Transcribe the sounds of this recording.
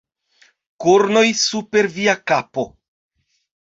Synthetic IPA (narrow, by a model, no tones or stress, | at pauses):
koɾno̞jsupe̞ɾviakapo̞